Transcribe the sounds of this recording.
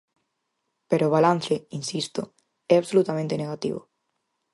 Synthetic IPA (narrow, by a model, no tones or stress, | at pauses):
peɾoβ̞alan̟θeinsist̪o | ɛaβsolut̪amẽnt̪eneɣat̪ḭβo̰